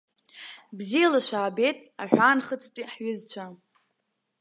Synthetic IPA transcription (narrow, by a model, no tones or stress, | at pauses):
bzijalaʃʷaːbe̞jtʼaħᶣʷaːnχət͡sʼt͡pʼiħɥʏzt͡ɕʷʰa